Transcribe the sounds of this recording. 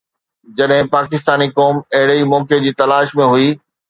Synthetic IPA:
d͡ʑɐɗɦɪ̃paːkɪst̪aːnikɔːmɐɦɪɽeimɔːked͡ʑiːt̪ɐlaːʃmẽɦʊiː

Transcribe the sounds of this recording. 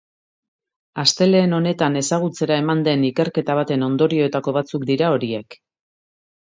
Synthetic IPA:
ast̪e̞le̞ːno̞ne̞t̪ane̞saɣ̞ut͡se̞ɾae̞mand̪e̞nike̞ɾke̞t̪aβ̞at̪e̞no̞nd̪o̞ɾio̞et̪ako̞βat͡sukd̪iɾao̞ɾie̞k

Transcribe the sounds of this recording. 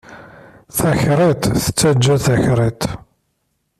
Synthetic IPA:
θæçɾˤit̪θə̥t͡sːæd͡ʒːæθæçɾˤit̪

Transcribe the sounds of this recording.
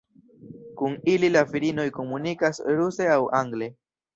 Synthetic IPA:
kunililafiɾino̞jko̞munikasɾuse̞awʔaŋɡle̞

